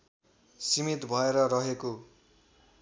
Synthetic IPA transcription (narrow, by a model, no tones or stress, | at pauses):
simit̪bʱʌeɾʌɾʌɦeko